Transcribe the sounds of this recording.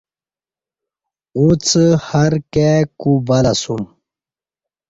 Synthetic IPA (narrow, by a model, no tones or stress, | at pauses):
ut͡shɐɾkekubalasum